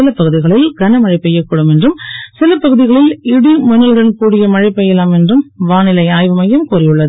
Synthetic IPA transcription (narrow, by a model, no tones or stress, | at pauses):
ɪlɐpːɐɣɯðɪɣɐɭɪlɡɐnɐmɐɻɪpːɐjːɐkːɯɽɯmɛndrɯmsɪlɐpːɐɣɯðɪɣɐɭɪlɪɽimʊnːɐlɣɐɳkuːɽɪjɐmɐɻɐɪpːɐjɛlaːmɛndrɯmʋaːnɪlɐɪaːjʋɯmɐjɯmkuːrɪjɯɭːɐð